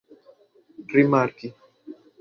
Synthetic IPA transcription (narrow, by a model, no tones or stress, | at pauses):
ɾimaɾki